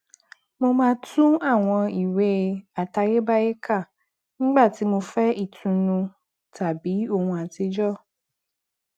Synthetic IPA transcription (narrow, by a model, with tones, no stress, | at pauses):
mõ˧mãː˦tũ˦a˦˨w̃ɔ̃˧i˨we˨˦˨a˨ta˨je˦ba˦je˦kʰa˦˨ | ñ̩˦ɡ͡ba˦˨ti˨˦mõ˧fɛ˦ʔi˨tʰũ˨nũ˧ | ta˨bi˨˦o˦˨ŋũ˧a˨ti˦d͡ʒɔ˦